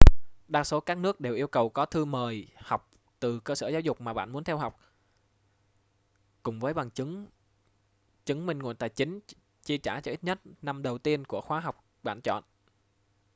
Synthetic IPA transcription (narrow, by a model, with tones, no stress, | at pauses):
ɗaː˧so˨˦kaː˦˥k̚nɨ˦˥ək̚ɗe˨˩wʔi˧əwkə˨˩wkɔ˨˦t̪ʰɨ˧məː˨˩jha˨˩wk͡p̚ | t̪ɨ˨˩kəː˧səː˧˩zaː˨˦wzʊ˨˩k͡p̚maː˨˩ɓa̰ː˧˨nmu˨˦ənt̪ʰɛ˧wɦa˨˩wk͡p̚ | kʊ˨˩ŋ͡mvəː˨˦jɓa˨˩ŋt͡ɕɨ˨˦ŋ | t͡ɕɨ˨˦ŋmï˧ŋ̟ŋu˧˨jt̪a̰ː˨jt͡ɕï˨˦ŋ̟ | t͡ɕi˧ət͡ɕaː˧˩t͡ɕɔ˧ʔi˦˥t̚ɲə˦˥t̚na˧mɗə˨˩wt̪i˧ənku˧˩əxwaː˨˦ɦa˨˩wk͡p̚ | ɓa̰ː˧˨nt͡ɕɔ̰˧˨n